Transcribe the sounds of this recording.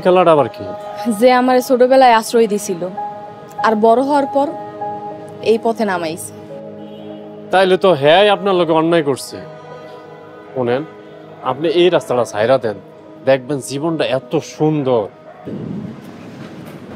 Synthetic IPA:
kʰɛlaʈaβaɾkḭzeamaɾesoɖobɛlaeasɾojd̪it͡ɕʰilo | aɾbɔɾoɦɔwaɾpɔɾ | ejpɔt̪ʰenamajsʰe̥ | t̪ajlet̪oɦɛjapnaɾloɡeɔnːajkoɾsʰḛ | konen | a̰pniejɾast̪aʈasa̰jɾad̪ɛn | d̪ɛk̚ʰbɛnziβonʈaɛt̪oʃund̪oɾ

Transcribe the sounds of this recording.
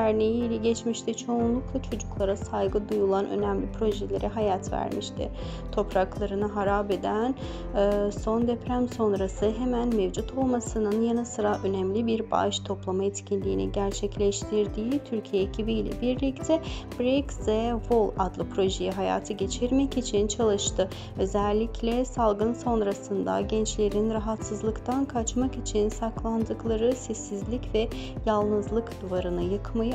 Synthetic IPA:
æɾnejiːlʲɛɟɛt͡ʃmiʃt̪ʰɛt͡ʃʰo̞unlˠuklˠat͡ʃʰo̞d͡ʒuklˠaɾasajɡɯd̪ujulˠanʔø̰nɛmlʲipʰɾo̞ʒɛlʲe̞ɾʔɛɦajat̪væ̰ɾmiʃt̪ʰɪ̰ | t̪ʰo̞pɾaklˠaɾɯnɯɦaɾaːbed̪ænː | so̞nd̪ɛpɾæmso̞nɾasɯɦe̞mænmevd͡ʒut̪ʰo̞lˠmasɯnɯnjanɯsɯɾaʔø̞nɛmlʲibiɾba̰ʃt̪ʰo̞plˠamaɛt̪cʰinlʲiːnḭɟæɾt͡ʃʰɛclʲɛʃt̪ʰiɾd̪iːt̪ʰyɾcʰijɛecʰibijlʲɛ̰biɾlʲict̪ʰɛbɾɛkzɛvolˠad̪lˠɯpɾo̞ʒejiɦaja̰ːt̪ʰɯɟe̞t͡ʃʰiɾmɛcit͡ʃʰint͡ʃʰalˠɯʃt̪ɯ | ø̞zɛlʲːicʰlʲɛsalˠɡɯnso̞nɾasɯnd̪a̰ɟɛnt͡ʃlʲe̞ɾinɾaɦat̪sɯzlˠɯkt̪ʰankʰat͡ʃmakit͡ʃʰinsaklˠand̪ɯklˠaɾɯsɛsːizlʲicvɛjalˠnɯzlˠɯkd̪uvaɾɯnɯjɯkʰmajɯ

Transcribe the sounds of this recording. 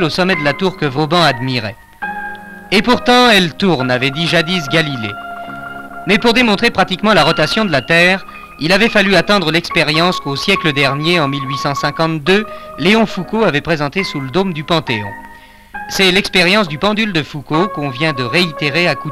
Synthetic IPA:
losɔmɛd̪əlat̪uʁkəvobɑ̃ad̪miʁɛ | epuʁt̪ɑ̃ɛlt̪uʁnavɛd̪iʒad̪is̬ɡalilḛ | mɛpuʁd̪emɔ̃t̪χepχat̪ikmɑ̃laʁɔt̪asjɔ̃d̪əlat̪ɛːʁ | ilavɛfalyat̪ɑ̃d̪ʁəlɛkspeʁjɑ̃skosjɛkləd̪ɛʁnjeɑ̃milɥisɑ̃sɛ̃kɑ̃t̪d̪øleɔ̃fukoavɛpχezɑ̃t̪esuləd̪omd̪ypɑ̃t̪eɔ̰̃ | sɛlɛkspeʁjɑ̃s̬d̪ypɑ̃d̪yld̪əfukokɔ̃vjɛ̃d̪əʁeit̪eʁeaku

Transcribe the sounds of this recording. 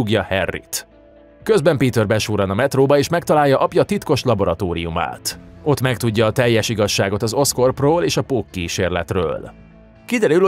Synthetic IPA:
uɡjɒhɛrːḭt̪ | kø̞zbɛmpiːt̪ørbɛʃuːɾɒnɒmɛt̪roːbɒeːʃmɛkt̪ɒlaːjːɒʔɒpjɒt̪it̪ko̞ʃlɒbo̞ɾɒt̪oːɾḭjuma̰ːt̪o̞t̪mɛkt̪uɟːɒːt̪ɛjːɛʃiɡɒʃːaːɡo̞t̪ɒzo̞sko̞rproːleːʃɒpoːkːiːʃeːrlɛ̰t̪rø̰ːl | kid̪ɛɾyl

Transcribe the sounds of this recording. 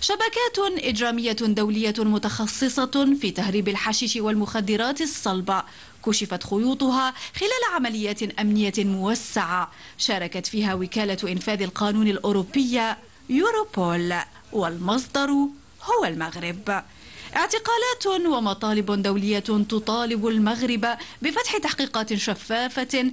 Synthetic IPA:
ʃabakaːt̪ʔɪd͡ʒɾaːmɪjːad̪awlɪjːamʊt̪ɑxɑsˤːɨsˤɑfiːt̪ahɾiːbalħaʃɪʃɪwalmʊxad̪ːɪɾˤɑːt̪ɨsˤːɑlba | kʊʃɪfat̪xʊjuːt̪ˤʊɦaːxɪlaːlaʕamalɪjːaːt̪ʔamnɪjːamʊwasːaʕa | ʃɑːɾˤɑkat̪fiːɦaːwɪkaːlaʔɪnfaːðalqɑːnuːnalʔʊːɾʊpːɪjːa | juːɾopoːl | walmɑs̬ˤd̪ˤɑɾˤ | hʊwalmaɣɾɪb | ʔɪʕt̪ɪqɑːlaːt̪wamɑt̪ˤɑːlɪbd̪awlɪjːat̪ʊt̪ˤɑːlɪbʊlmaɣɾɪbabɪfat̪ħɪt̪aħqiːqɑːt̪ʃafːaːfa

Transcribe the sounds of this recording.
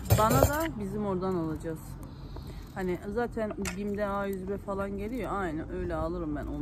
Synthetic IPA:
banad̪abizimo̞ɾd̪analˠad͡ʒaz̥ | hanɪzaːt̪ʰænbimd̪ɛajyzbɛfalˠanɟe̞lʲijoajnænø̞jlʲɛalˠɯɾɯmbæno

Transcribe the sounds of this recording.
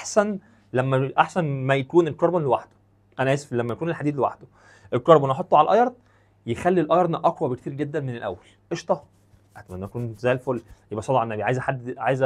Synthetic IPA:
ʔaħsæn | læmːæʔaħsænmæjækuːnelkoɾˤbonlewaħd̪o̥ | ʔænæʔesflæmːæjækuːnelħad̪iːd̪lewa̰ħd̪o | ʔelkɑɾˤbonʔɑħot̪ˤːoʕalʔɑjɑɾˤd̪ | jexælːilʔɑjɑɾˤnæʔɑkwæbekt̪iːɾɡed̪ːænmenelʔæ̰wːælʔeʃt̪ˤɑ | ʔæt̪æmænːæækuːnzæjːlfolːjebʔæsˤɑlːɑʕʔnːæbiʕaːjezæħad̪ːʕa̰jezæ

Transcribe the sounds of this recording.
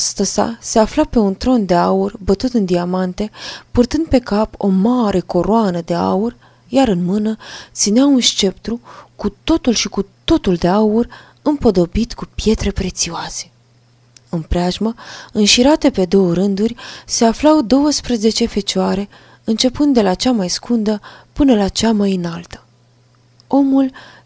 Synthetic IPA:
st̪əsa̰se̞aflape̞unt̪ɾo̞nd̪e̞aurʲbət̪ut̪ɨnd̪iamant̪e̞purt̪ɨnd̪̚pe̞kapo̞̰maɾʔe̞ko̞ɾoanəd̪e̞a̰urʲ | jaɾɨnmɨnət̪sineaunʃt͡ʃe̞pt̪ɾukut̪o̞t̪ulʃikut̪o̞t̪uld̪e̞aurʲ | ɨmpo̞d̪o̞bit̪kupje̞t̪ɾe̞pɾe̞t̪sioase̞̥ | ɨnpɾeaʒməɨnʃiɾat̪e̞pe̞d̪o̞wəɾɨnd̪urʲse̞aflawd̪o̞wəspɾəze̞t͡ʃe̞fe̞t͡ʃoaɾe̞ | ɨnt͡ʃe̞pɨnd̪ːe̞lat͡ʃamajskund̪əpɨnəlat͡ʃamajɨnalt̪ə̥ | o̞mul

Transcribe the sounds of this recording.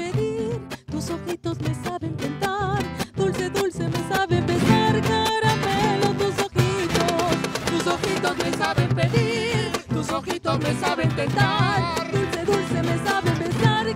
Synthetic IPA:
peðiɾt̪usoxit̪o̞zmesaβent̪ent̪aɾðulseðulsemesaβembesaɾkaɾamelot̪usoxit̪ost̪usoxit̪osmesaβempeðiɾt̪usoxit̪osmesaβent̪ent̪aɾɾðulseðulsemesaβembesaɾ

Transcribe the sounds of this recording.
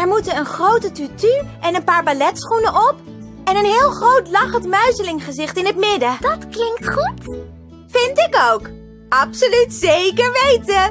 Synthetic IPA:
ɛɹmutənənχrowtətytyʔɛnənpaːɹbalɛtsχunəʔɔp̚ | ɛnənɦɪːlˠχrowtlɑχəntmœɥzəlɪŋχəzɪχtɪnɦətmɪdəd̥ɑtklɪŋktχut | fɪntɪkowk | ɑpsolytsejkəɹʋejtə

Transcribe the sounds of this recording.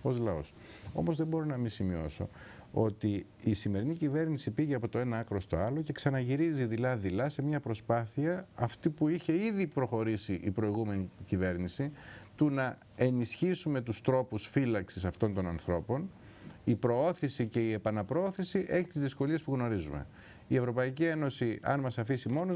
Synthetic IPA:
o̞zlɐo̞̰s | o̞̰mozðe̞bo̞ɾo̞nɐmisimio̞̰so̞̰ | o̞t̪iː | sime̞ɾinicive̞ɾnisipiʝeɐpo̞t̪o̞e̞nɐɐkɾo̞st̪o̞̰ɐlo̞ce̞ksɐnɐʝiɾiziðilɐðilɐse̞mɲɐpɾo̞spɐθiɐɐft̪ipuiçe̞iðipɾo̞xo̞ɾisiʔipɾo̞iɣume̞nicive̞ɾnisit̪unɐ | e̞nisçisume̞t̪ust̪ɾo̞pusfilɐksisɐft̪o̞nt̪o̞nɐnθɾo̞po̞n | ipɾo̞o̞θisice̞ie̞pɐnɐpɾooθisiʔe̞çit̪izðisko̞lie̞spuɣno̞ɾizume̞̰ | ie̞vɾo̞pɐicie̞no̞siɐ̰nmɐsɐfisimo̞no

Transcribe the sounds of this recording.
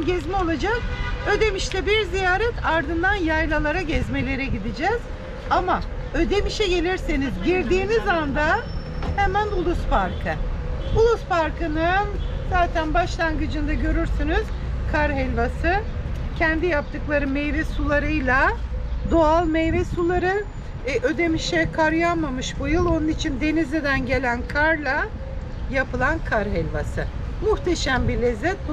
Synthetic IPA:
ɟɛzmɛo̞lˠad͡ʒakø̞d̪e̞miʃlʲɛbiɾzijaːɾɛt̪ʰaɾd̪ɯnd̪anjajlˠalˠaɾaɟɛzme̞lʲe̞ɾɛɟid̪id͡ʒɛz̥ | ama | ød̪e̞miʃɛɟe̞lʲiɾsenizɟiɾd̪iːnizand̪a | hemænulˠuspʰaɾkʰɯulˠuspaɾkɯnɯnz̥aːt̪ʰænbaʃlˠanɡɯd͡ʒɯnd̪aɟø̞ɾyɾsynyz̥ | kʰaɾɦɛlʲvasɯ | cʰænd̪ijap̚t̪ʰɯklˠaɾɯmejvɛsulˠaɾɯjlʲˠad̪oalˠmejvɛsulˠaɾɯ | ʔød̪emiʃɛkʰaɾjanmamɯʃbujɯlˠo̞nunit͡ʃʰind̪e̞nized̪ænɟe̞lʲænkʰaɾlˠa | japɯlˠankʰaɾɦɛlʲvasɯmuht̪ʰeʃæmbilʲezɛt̪̚b

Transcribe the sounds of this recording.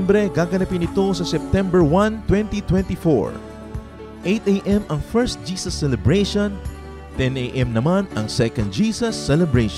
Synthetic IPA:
mbɾɛɡaːɡɐnɐpɪnɪt̪o̞sɐsɛp̚t̪ɛmbɛɹwɐ̃nt̪wɛ̃nt̪it̪wɛ̃nt̪ifo̰ɹ | ʔejt̪ejʔɛmɐŋfɛɹst̪̚d͡ʒiːsɐsːɛlɛbɹejʃõn | t̪ɛnejʔɛ̃mnɐmanɐŋsɛkɐ̃nd̪̚d͡ʒiːsɐsːɛlɛbɹeʃ

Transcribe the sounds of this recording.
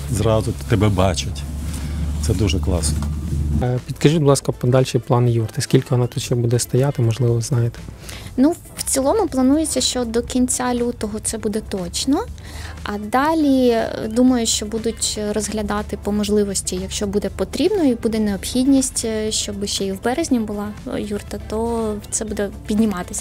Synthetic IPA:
zɾɑzʊt̪ɛbɛbɑt͡ʃʊtʲ | t̪sɛd̪uʒɛklˠɑ̰snɔ | pʲit̪kɐʒublˠɑskɐpɔd̪ɑlʲʃɪjplˠɑnjirt̪ɪskʲilʲkɪʋɔnɑt̪ut̪ʃɛbud̪ɛst̪ɔjat̪ɪmɔʒlˠɪʋɔznɑjet̪ɛ̥ | nu | wt͡sʲilˠɔmʊplˠɐnujet͡sʲːɐʃt͡ʃɔd̪ɔkʲinʲt͡sʲalʲut̪ɔɦɔt̪sɛbud̪ɛt̪ɔt͡ʃnɔ | ɐd̪ɑlʲḭd̪umɐjʊʃt͡ʃɔbud̪ʊtʲrɔzɦlʲɐd̪ɑt̪ɪpɔmɔʒlˠɪʋɔsʲtʲijɐkʃt͡ʃɔbud̪ɛpɔt̪ɾʲibnɔibud̪ɛneɔbxʲidʲnʲisʲtʲʃt͡ʃɔbɪʃt͡ʃɛiwbɛɾezʲnʲibʊlˠɑjurt̪ɐt̪ɔt̪sɛbud̪ɛpʲid̪ʲnʲɪmɑt̪ɪsʲɐ

